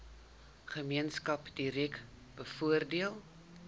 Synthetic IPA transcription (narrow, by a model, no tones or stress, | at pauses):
χəmiənskɐpdiɾɛk | b̥əfuərdiəlˠ